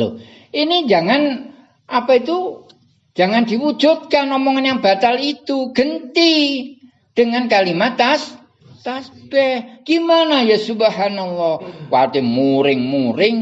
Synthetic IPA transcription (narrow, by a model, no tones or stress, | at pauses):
o̰ | inid͡ʒaŋan | ʔapait̪u | d͡ʒ̥aŋandiwu̥d͡ʒ̥ṳt̪̚kanɔmɔŋanjaŋba̤t̪alit̪uɡ̥ənt̪i | d̥əŋankalimat̪as | t̪asb̥ɛɡ̥imanajasubəɦanɔlːɔhwat̪emuɾɪŋmuɾɪŋ